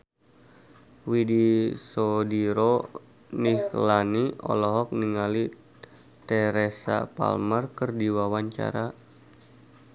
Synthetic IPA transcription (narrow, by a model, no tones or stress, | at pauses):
widisodiɾo | nixlaniɔ̰lɔɦɔk̚niŋali | t̪ɛɾesa̰pa̰lmərkərdiwawaɲt͡ʃa̰ɾa